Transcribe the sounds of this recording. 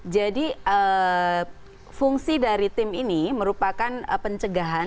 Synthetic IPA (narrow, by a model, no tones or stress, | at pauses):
d͡ʒadiə | fuŋsidaɾit̪ɪminiməɾupakanəpəɲt͡ʃəɡaɦa